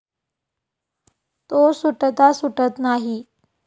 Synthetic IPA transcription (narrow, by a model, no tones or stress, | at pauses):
t̪osuʈt̪asuʈət̪naɦi